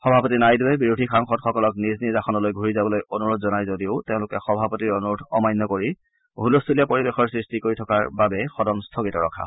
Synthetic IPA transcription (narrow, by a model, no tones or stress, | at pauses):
xɔbʱapɔtinajduwɛbiɹudʱixaŋxɔtxɔkɔlɔkniznizaxɔnɔlojɡʱuɹizabɔlojonuɹotʰzɔnajzodiʊteʊ̃lʊkɛxɔbʱapɔtiɹonuɹutʰɔmajnːɔkoɹi | bʱulostʰuliapoɹibexɔɹsɹistikoɹitʰɔkaɹbabɛxɔdɔnstʰokitɔɹɔ̰kʰa̰